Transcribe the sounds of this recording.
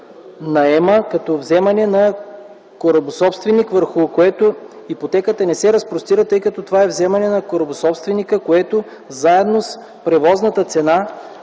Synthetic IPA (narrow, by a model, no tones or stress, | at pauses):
nɐɛməkɐt̪ɔvzɛmɐnɛnɐ | koɾɐbosɔpst̪vɛnikvəɾxʊkoɛt̪o | ipot̪ɛkət̪ənɛsɛɾɐspɾost̪iɾət̪ɤjkɐt̪ɔt̪ovaɛvzɛmɐnɛnɐkoɾɐbosɔpst̪vɛnikəkoɛt̪o | zaɛd̪nos | pɾɛvɔznət̪ət̪sɛna